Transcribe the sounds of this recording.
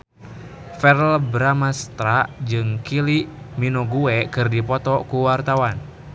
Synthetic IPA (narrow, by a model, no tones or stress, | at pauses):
fɛɾɛlbɾamast̪ɾaʔd͡ʒɨŋkiliʔ | minɔɡuɛkɨrdipɔt̪ɔkuwart̪awan